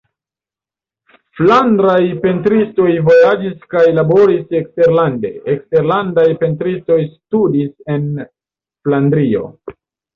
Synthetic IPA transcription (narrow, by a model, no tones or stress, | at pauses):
flandɾajpe̞ntɾisto̞jvo̞jad͡ʒiskajlabo̞ɾise̞kste̞ɾlande̞̰ekste̞ɾlandajpe̞ntɾisto̞jstudise̞n | flandɾio̞̰